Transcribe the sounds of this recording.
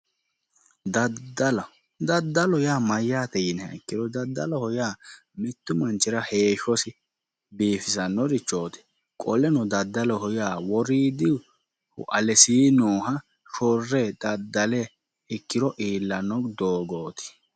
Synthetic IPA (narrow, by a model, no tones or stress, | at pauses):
d̪ɐd̪ɐl | d̪ɐd̪ːɐlɔjaːmɐjaːt̪ɛjɪnɛɛkːɪɾɔd̪ɐd̪ːɐ̰lɔhɔjaː | mɪt̪ːʊmɐnt͡ʃɪɾɐheːʃɔsɪ | biːfɪsɐnːɔɾɪt͡ʃːoːt̪ɪ̥ | kʼɔlɛnɔd̪ɐd̪ːɐlɔhɔjaːwɔɾiːd̪ɪ | hʊ̰ʔɐlɛsiːnoːɦɐ | ʃɔrːɛd̪ɐd̪ːɐlɛ | ɛkːɪɾɔʔiːlːɐnɔd̪oːɡoːt̪ɪ̥